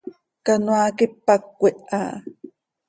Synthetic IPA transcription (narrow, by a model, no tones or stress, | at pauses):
kanwakipːak̚ʷːeʔa̰